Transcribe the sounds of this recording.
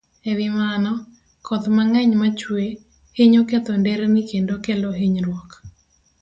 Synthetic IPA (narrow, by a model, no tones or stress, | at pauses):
ɛðɪmanɔ | kʰɔt̪maŋɛɲmat͡ʃwe | heɲoket̪ondɛɾenɪkendokeloɦeɲɾwɔk